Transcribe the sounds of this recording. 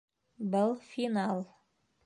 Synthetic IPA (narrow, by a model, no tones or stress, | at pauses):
bɤlˠfinalˠ